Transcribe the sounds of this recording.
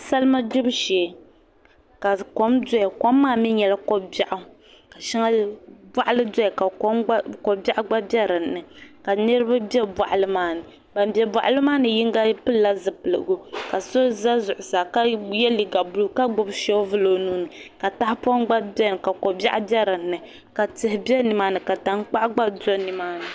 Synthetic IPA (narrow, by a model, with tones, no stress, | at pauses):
sa˦lma˦dʊ˦bʃe˨ | ka˨ko˦mdɔ˦ɪ˨kɔ˨˦mːaː˦˨mi˦ɲɛ˨la˦ko˦ba˦ʔʊ˦ | ka˨ʃa˦ŋa˦ba˦ʔa˦lɨ˦dɔ˦ɛ˨ka˨kko˨ba˦ʔa˦ɡ͡ba˦bɛ˦ɾɨ˨nnɨ˨ka˨nɨ˦ɾɨ˦ba˦bɛ˦ba̰˨ʔa˨lɨ˦maː˦nɨ˨ | ba˨m˨bɛ˨bwa˨ʔa˦˨lɨ˦maː˦nɨ˨ji˦ŋ˦ɡa˦pɨ˦lːa˦zɨ˨pɨ˨lɨ̰˨ɡo˦ka˨so˦za˦zʊ˨ʔʊ˨sa˨ka˦jɛ˦li˨ɡa˨bu˦lu˦ka˦ɡ͡bo˦bʃɛ˦vɨ˦lo˨nuː˦nɨ˨ka˨ta˦hɪ˦pɔ˦nɡ͡ba˦bɛ˦nɨ˨ka˨ko˨ba̰˦ʔbɛ˦ɾɨ˨nːɨ˨ | ka˨tɨ˨hɪ˨bʲɛ˦nɨ˨maː˦nɨ˨ka˨ta˨ŋ˦k͡pa˦ʔɡ͡ba˦do˦nɨ˨maː˦nɨ˨